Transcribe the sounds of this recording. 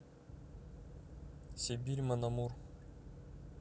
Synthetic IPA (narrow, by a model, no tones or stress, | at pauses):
sʲebʲiɾʲmanamuɾ